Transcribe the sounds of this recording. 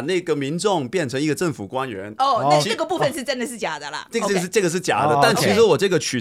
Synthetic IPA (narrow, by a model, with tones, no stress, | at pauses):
na˥˩ɡə˩mi˧˥nʈ͡ʂʊ˥˩ŋpjɛ˥˩nʈ͡ʂʰɤ˧˥ŋi˥˧ɡə˨˧ʈ͡ʂɤ˥˩ŋfu˨˩kwa˥nɥɛ̰˧˥no˥˧˩ə˥˩ɡə˩pu˥˧˩fə˨nʂɻ̩˥˧˩ʈ͡ʂə˥nd̪ə˨ʂɻ̩˥˩t͡ɕja˨˩d̪ə˧lə̰˧˥˧ʈ͡ʂɤ˥˩ɡə˩ʂ̬ɻ̩˥˩t͡ɕja̰˨˩d̪ə˦t̪a˥˩nt͡ɕʰi˧˥ʂɻ̩˧˥wɔ˨˩ʈ͡ʂɤ˥˩ɡə˩t͡ɕʰy˨˩